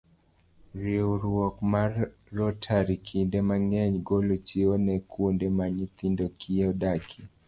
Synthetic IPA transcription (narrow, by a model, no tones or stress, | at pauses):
ɾiuɾuɔkmaɾɾɔtʰaɾikʰindɛmaŋɛɲɡɔlut͡ʃiɔnɛkʰundɛmaɲit̪indɔkʰiɔɗakʰi